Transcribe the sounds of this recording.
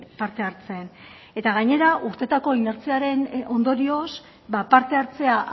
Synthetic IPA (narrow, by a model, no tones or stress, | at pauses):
paɾt̪e̞aɾt͡se̞n | e̞t̪aɣaɲe̞ɾaʔuɾt̪e̞t̪ako̞ine̞ɾt͡siaɾe̞no̞nd̪o̞ɾio̞s | bapaɾt̪e̞aɾt͡se̞a